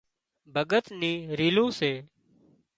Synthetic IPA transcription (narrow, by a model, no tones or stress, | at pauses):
bʱəɠət̪nĩːɾiːlõːseː